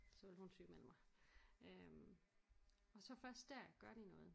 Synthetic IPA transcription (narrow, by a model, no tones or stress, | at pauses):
sɒ̽ʋe̝lhunsy̰̥ːmel̰m̩ɑ̈ɪøm | ɒ̽sɒ̽fɶɐsd̥ːæɐɡ̥ɶɐɾ̥inɔ̽ːð̞̩ˠ